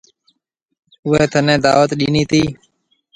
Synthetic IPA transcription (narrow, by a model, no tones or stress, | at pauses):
ʊɦeːt̪ʰənẽːd̪aːʋət̪ɗiːniːt̪iː